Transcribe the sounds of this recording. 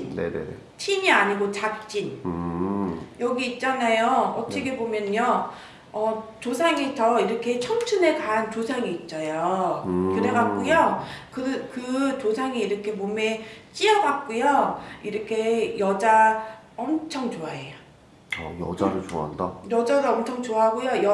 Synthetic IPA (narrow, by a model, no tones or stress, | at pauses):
nḛnḛnḛ | t͡ɕʰiɲiaɲiɡot͡ɕak̚t͡ɕ͈in | jʌɡiːt̚t͡ɕ͈anajoʌt͡ɕ͈ekʰe̞bomjʌnɲʌ | ʌt͡ɕosʰaŋitʌiɾʌkʰe̞t͡ɕʰʌŋt͡ɕʰɯne̞kaɦant͡ɕosʰaŋiːt̚t͡ɕ͈ʌjokɯɾe̞ɡak͈ujokɯkɯt͡ɕosʰaŋiiɾʌkʰe̞mome̞t͡ɕ͈iʌɡak̚k͈ujoiɾʌkʰe̞jʌd͡ʑa | ʌmt͡ɕʰʌŋt͡ɕoaejo | ʌ̰jʌ̰d͡ʑa̰ɾɯɭt͡ɕo̰a̰nda̰jʌd͡ʑadoʌmt͡ɕʰʌŋt͡ɕoaɦaɡojojʌ